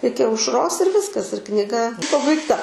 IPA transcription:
ˈɪkʲɪ ɐʊʃˈroːs ɪr ˈʋʲɪskɐs ɪr knʲɪˈɡɐ pɐbɐɪkˈtɐ

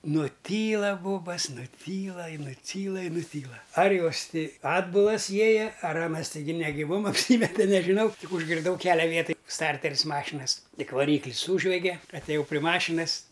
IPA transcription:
nʊˈtʲiːlˠɐ ˈboːbɐs nʊˈtʲiːlˠɐ ɪ nʊˈtʲiːlˠɐ ɪ nʊˈtʲiːlˠɐ ɐr ˈjoːs ˈtʲɪ ˈɑːdbʊlˠɐs ˈjiɛjɛ ɐr ˈɑːnɐs tʲɛɪˈɡʲɪ nʲɛɡʲɪˈʋoːm ɐpʲˈsʲiːmʲɛtʲɛ nʲɛʒʲɪˈnɐʊ ˈtʲɪk ʊʒʲɡʲɪrˈdɐʊ ˈkʲæːlʲɛ ˈʋʲiɛtɐj ˈstɐrʲtʲɛrʲɪs ˈmɑːʃʲɪnɐs ˈtʲɪk ʋɐˈrʲiːklʲɪs ˈsuːʒʲʋʲɛɡʲɛ ɐtʲɛˈjɛʊ pʲrʲɪ ˈmɑːʃʲɪnɐs

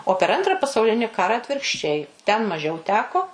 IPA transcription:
oː pʲɛr ˈɐntrɐ pɐsɐʊˈlʲɪnʲɪ ˈkɑːrɐ ɐtʲʋʲɪrkʃʲˈt͡ʃʲɛɪ tʲɛn mɐˈʒʲɛʊ ˈtʲæːkoː

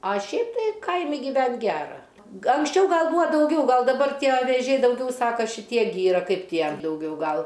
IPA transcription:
ɐ ˈʃʲɛɪp tɐɪ ˈkɐɪmʲɪ ɡʲiːˈʋʲɛnʲtʲ ˈɡʲæːrɐ ɡɐ ɐŋksʲˈt͡ʃʲɛʊ ˈɡɐlˠ ˈbuːɐ dɐʊˈɡʲɛʊ ˈɡɐlˠ dɐˈbɐr ˈtʲiɛ ʋʲeːˈʒʲɛɪ dɐʊˈɡʲɛʊ ˈsɑːkɐ ʃʲɪˈtʲiɛ ɡʲɪ ˈiːrɐ ˈkɐɪp ˈtʲiɛ dɐʊˈɡʲɛʊ ˈɡɐlˠ

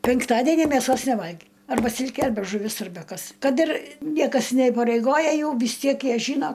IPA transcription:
pʲɛŋkˈtɑːdʲɛnʲiː mʲɛˈsoːs nʲɛˈʋɐlʲɡʲɪ ˈɐrbɐ ˈsʲɪlʲkʲeː ˈɐrʲbʲɛ ʒʊˈʋʲɪs ˈɐrʲbʲɛ ˈkɐs ˈkɐt ɪr ˈnʲiɛkɐs nʲɛiːpɐrʲɛɪˈɡoːjɛ ˈjɛʊ ʋʲɪs ˈtʲiɛk ˈjiɛ ˈʒʲiːnoː

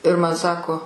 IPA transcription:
ɪr ˈmɐn ˈsɑːkoː

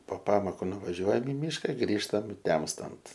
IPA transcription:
poː ˈpɑːmoːkʊ nʊʋɐˈʒʲuɔjɛm ɪ ˈmʲiːʃkɐ ˈɡrʲiːʃtɐm ˈtʲɛmstɐnt

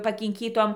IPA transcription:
pɐkʲɪŋʲˈkʲiːtoːm

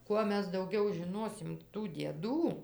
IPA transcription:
ˈkuɔ ˈmʲɛs dɐʊˈɡʲɛʊ ʒʲɪˈnoːsʲɪm tuː dʲiɛˈduː

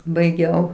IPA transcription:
bɐɪˈɡʲɛʊ

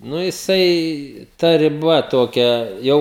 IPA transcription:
ˈnʊ jɪˈsɐɪ tɐ rʲɪˈbɐ ˈtoːkʲɛ ˈjɛʊ

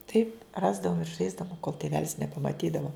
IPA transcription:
ˈtɐɪp ˈrɑːzdɐʋʊm ɪr ˈʒɐɪzdɐʋʊm koːlˠ tʲeːˈʋʲæːlʲɪs nʲɛpɐmɐˈtʲiːdɐʋoː

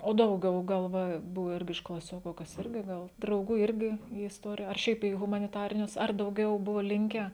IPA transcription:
oː dɐʊˈɡʲɛʊ ˈɡɐlˠ ˈʋɐ ˈbʊʋʊ ˈɪrʲɡʲɪ ɪʃ klˠɐˈsʲoːkʊ kɐs ˈɪrʲɡʲɪ ˈɡɐlˠ drɐʊˈɡuː ˈɪrʲɡʲɪ iː ɪsˈtoːrʲɪjɛ ɐr ˈʃʲɛɪp iː ɣʊmɐnʲɪˈtɑːrʲɪnʲʊs ɐr dɐʊˈɡʲɛʊ ˈbʊʋoː ˈlʲɪŋʲkʲæː

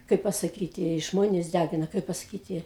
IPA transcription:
ˈkɐɪp pɐsɐˈkʲiːtʲɪ ˈʒmoːnʲeːs ˈdʲæɡʲɪnɐ ˈkɐɪp pɐsɐˈkʲiːtʲɪ

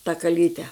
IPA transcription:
tɐ kɐˈlʲiːtʲɛ

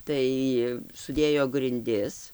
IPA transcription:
ˈtɐɪ sʊˈdʲeːjoː ɡrʲɪnʲˈdʲɪs

